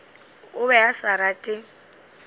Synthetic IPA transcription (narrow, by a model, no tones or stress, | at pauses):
ʊbɛasaɾatʼɪ